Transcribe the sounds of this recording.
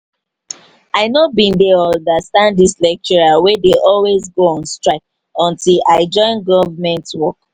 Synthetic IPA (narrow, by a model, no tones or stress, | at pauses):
aɪnobĩndeɔ̃dastãnddislɛk̚t͡ʃɔɹawedeʔɔlwezɡoɔ̃nstɹaɪk̚ | ɔ̃ntʰilaɪd͡ʒɔ̃ɪ̃nɡɔvmɛ̃ntwɔk̚